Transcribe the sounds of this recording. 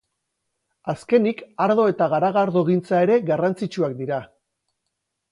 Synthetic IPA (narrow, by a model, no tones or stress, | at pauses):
aske̞nikaɾðo̞e̞t̪aɣaɾaɣaɾðo̞ɣ̞int͡sae̞ɾe̞ɣarant͡sit͡ʃuakd̪iɾa